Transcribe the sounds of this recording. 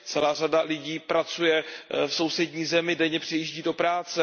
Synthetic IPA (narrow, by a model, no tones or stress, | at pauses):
t͡sɛlaːr̝adalɪɟiːpɾat͡sujɛfso̞wsɛdɲiːzɛmɪdɛɲɛpr̝̥ɛjiːʒɟiːdopɾaːt͡sɛ